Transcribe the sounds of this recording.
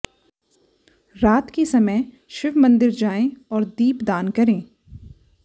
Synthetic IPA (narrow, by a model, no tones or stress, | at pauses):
ɾaːt̪kisɐməj | ʃɪʋmɐ̃nd̪ɪɾd͡ʒaːẽɔːɾd̪iːpd̪aːnkɐɾẽː